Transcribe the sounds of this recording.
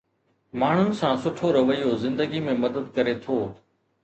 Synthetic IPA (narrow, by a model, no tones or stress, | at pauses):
maːɳ̤ʊnɪ̆sãːsʊʈʰoɾɐʋəijozɪ̃nd̪əɡimẽmɐd̪əd̪̚kɐɾet̪ʰoː